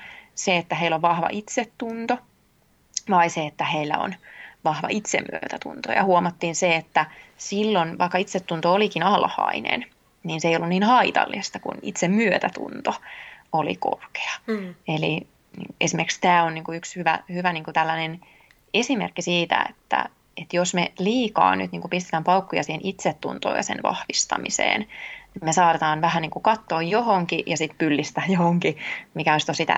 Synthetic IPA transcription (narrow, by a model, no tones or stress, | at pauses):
seet̪ːæɦeilːoʋʋɑhʋɑ̰ʔit̪set̪ːunt̪o | ʋɑiseet̪ːæheilːæ̰o̰nʋɑhʋɑ̰ʔit̪sḛmmy̰ø̰t̪æt̪ṵnt̪o̰jɑ̰huomɑt̪ːiːnseet̪ːæsilːonʋɑ̰ikːɑit̪set̪ːunt̪oolikinɑlhɑ̰inḛn | niːnseijolːunniːnhɑit̪ɑ̰lːist̪ɑkṵnḭt̪semmyøt̪æt̪ṵnt̪oolḭko̰rke̥ɑ̥eli | esimerkst̪æːonniːŋkuykshyʋæ̰hyʋæniːŋkut̪ælːænen | esimḛrkːisiːt̪æ̰ḛt̪ːæ̰ | et̪josmeliːkɑ̰ːny̰t̪niːŋkupist̪ĕ̥t̪æːmpɑukːujɑsiːhenʔit̪set̪ːṵnt̪o̰ːjɑ̰sḛnʋɑ̰hʋist̪ɑ̰misḛːnimesɑːt̪et̪ɑːnʋæhænniːŋkukɑt̪ːoːjjohoŋkijɑsit̪pylːist̪æːjohoŋkimikæoist̪osit̪æ̰